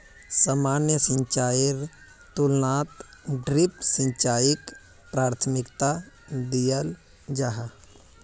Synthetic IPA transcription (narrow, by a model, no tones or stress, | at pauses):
samaːnjəsə̃ɲt͡ʃaːɪɾ | t̪ulnaːt̪ɖɾipsə̃ɲt͡ʃaːɪk | pɾaːɾt̪ʰəmɪkt̪a | d̪ijəl | d͡ʒaɦa